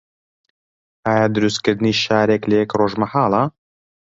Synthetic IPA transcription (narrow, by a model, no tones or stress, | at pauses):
aːjaːd̪ɨɾust̪̚kɨɾd̪niːʃaːɾeːkləjɛkroːʒmɐħaːlɑ